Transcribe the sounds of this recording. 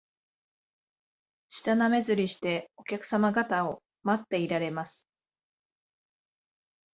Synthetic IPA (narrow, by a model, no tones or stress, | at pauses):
ɕi̥t̪aname̞zɨɾʲiɕi̥t̪e̞o̞kʲakɯ̟̥samaɡat̪ao̞ | mat̪ːe̞iɾaɾe̞masɨ̥